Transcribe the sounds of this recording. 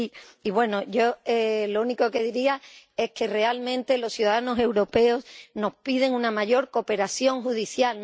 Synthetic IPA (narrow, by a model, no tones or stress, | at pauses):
iiβwe̞noʝo̞elouniko̞ke̞ðiɾiae̞hke̞re̞almẽ̞nt̪e̞lo̞sθjuðaðano̞se̞wɾo̞pe̞o̞sno̞hpið̞e̞ŋũnamaʝo̞ɾko̞pe̞ɾaθjo̞ŋɦuðiθjaln